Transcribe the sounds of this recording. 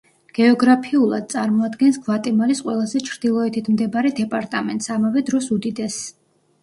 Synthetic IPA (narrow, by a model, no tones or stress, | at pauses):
ɡ̥ɛɔɡɾapʰiulˠa̰d̪̚t̪sʼaɾmɔad̪ɡɛnsɡ̥vat̪ʼɛmaɾisqʼwɛlˠazɛt͡ʃʰɾd̪ilˠɔɛt̪ʰit̪ʰmd̪ɛbaɾɛd̪ɛpʼaɾt̪ʼamɛ̰nt̪ʼsamavɛd̪ɾɔsud̪id̪ɛs